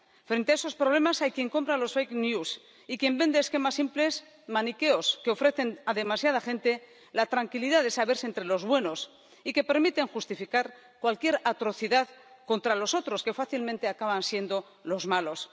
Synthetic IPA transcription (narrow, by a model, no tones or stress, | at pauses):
fɾent̪eaeso̞spɾoβle̞masajkje̞ŋko̞mpɾalo̞sfejknjus | ikje̞mbe̞nd̪e̞ːske̞masimple̞s | manike̞o̞ske̞o̞fɾe̞θe̞naðe̞masjað̞aχe̞nt̪e | lat̪ɾaŋkiliðaðesaβe̞ɾsent̪ɾe̞lo̞zβwe̞no̞s | ike̞pe̞ɾmit̪e̞ŋxust̪ifikaɾ | kwalkje̞ɾat̪ɾo̞θiðað | ko̞nt̪ɾalo̞so̞t̪ɾo̞ske̞faθilmẽnt̪e̞akaβansje̞nd̪o̞ | lo̞zmalo̞s